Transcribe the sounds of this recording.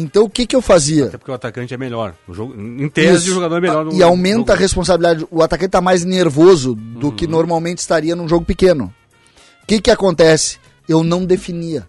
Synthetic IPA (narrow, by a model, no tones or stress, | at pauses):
ẽnt̪ɐ̃w̃ʊkɪkɪewfaziɐɐɛpoɾkeʊat̪akɐ̃t͡ʃɪɛmeʎɔɾʒoɡʊĩt̪eisɐɪ̃ʒoɡad̪oɾɛmeʎɔɾnɪawmẽnt̪ɐʁespõs̬abilid̪ad͡ʒɪʊat̪akɐ̃t͡ʃɪt̪amajzneɾvozʊd̪ʊkɪnoɾmawmẽnt͡ʃɪ̥st̪aɾiɐnũʒoɡʊpɪkẽnʊ̰ | kɪkɪakõnt̪ɛsɪ̥ | ewnɐ̃w̃d̪efiniɐ